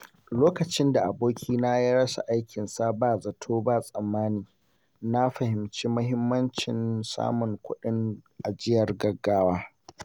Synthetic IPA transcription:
loː˦kɐ˨t͡ʃɪ˦nda˨ʔa˨boː˦kʲiː˦na˦ji˦ɽɐ˦sa̰˨ʔa˦jkʲɪ˨nsa˦baː˦˨zɐ˨tʰoː˦ba˦sʼɐ˨mːaː˦niː˨ | na˦ɸɐ˨hɪ˨mt͡ʃiː˦mʊ˦ɦɪ˦mːɐ˦nt͡ʃɪ˨nsa̰ː˦mʊ˨ŋkʷʊ˦ɗɪ˦ŋʔa˨d͡ʒɪ˦jɐ˨rɡɐ˨ɡːaː˦waː˦

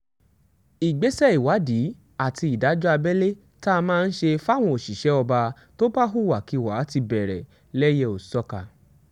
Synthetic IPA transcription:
i˨ɡ͡be˨˦sɛ˦i˨wa˨˦di˨˦ | a˨ti˧i˨da˨˦d͡ʒɔ˦a˧bɛ˦le˦ | ta˦a˧mãː˦˧n̩˦ʃe˧fa˦˨w̃ɔ̃˧o˨ʃi˨ʃɛ˨˦ɔ˧ba˧ | to˦ba˦ɦu˦˨wa˨ki˨˧˨wa˨˦ti˧bɛ˨ɾɛ̰˨ | lɛ˦je˦o˨sɔ˧ka˨

